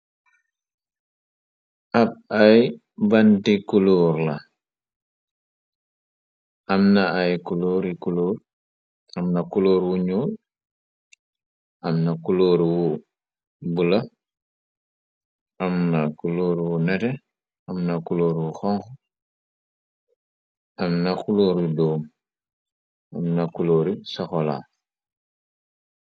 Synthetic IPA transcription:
ʔab̚aj | bandikuloːɾla | ʔamnaajkuloːɾikuloːɾ | ɐmnakuloːɾwuɲoːl | ʔɐmnakuloːɾwu | bula | ʔamnakuloːɾwunɛtɛ | ɐmnakuloːɾwuxɔŋx | ɐmnakuloːɾudɔːm | ɐmnakuloːɾisaxɔla̰ː

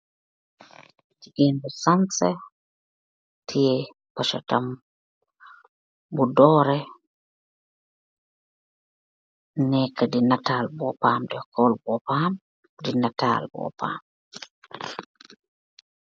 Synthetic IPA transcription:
tiʔindusansɛ | tʰije | paʃɔ̰tam | budɔɾɛ | nɛkːadinataːlbɔpamdɔkʰɔlbɔpam | dinata̰ːlbɔ̰pa̰m

